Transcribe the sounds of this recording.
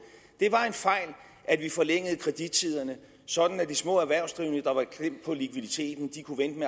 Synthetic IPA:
d̥e̝ʋɑ̈e̝nfɑ̈ɪ̰l | ʔæd̥ʋifɒ̽leŋ̰əð̞̩ˠkʰʁɛd̥id̥̚t͡sʰið̞̰ˠɐnə | sɒ̽d̥n̩æd̥ismɔ̰̽ːæɐʋæɐ̰ʊsd̥ʁiʊnəd̥ɑ̈ʋɑ̈kʰlem̰d̥̚pʰɒ̽likʰʋiðˠit͡sʰe̝̰ːd̥n̩d̥ikʰuʋen̰d̥me

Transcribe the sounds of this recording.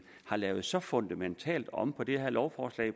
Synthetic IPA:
hɑ̈lɛːʊð̩ˠsɒ̽fo̽nd̥æment͡sʰɛ̰ːld̥ɒ̽mpʰɒ̽d̥e̝hæɐlɒʊfɒːslɛ̰ɪ

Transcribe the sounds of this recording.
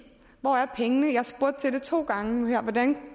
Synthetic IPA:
ʋɒæɐpʰeŋənəjɑ̈hɑ̈sb̥uɐ̰d̥̚t͡sʰe̝ld̥e̝t͡sʰo̝̰ːɡ̥ɑ̈ŋəhæɐ̰ʋɒd̥æn

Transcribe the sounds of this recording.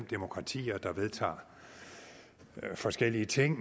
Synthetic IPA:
md̥emo̝kʰʁɑ̈t͡sʰḭːɐd̥ɑ̈ʋe̝ð̞ˠt͡sʰɑ̰̈ː | fɒ̽sɡ̥el̰iət͡sʰe̝ŋ̰

